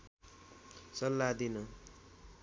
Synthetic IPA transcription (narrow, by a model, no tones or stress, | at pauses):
sʌlːad̪inʌ